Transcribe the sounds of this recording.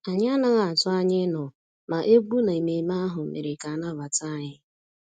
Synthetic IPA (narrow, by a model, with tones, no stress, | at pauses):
a˨ɲɪ˦a˦na˦ɣa˨a˨tʊ˦a˦ɲɪ˦nɔ˨ | ma˨ʔe˦ɡ͡bu˦na˨i˨me˨m˦a˦ɦʊ˨m̩˨mḛ˨ɾɪ˨ka˨a˨na˦ba˨ta˦˨ɲɪ˦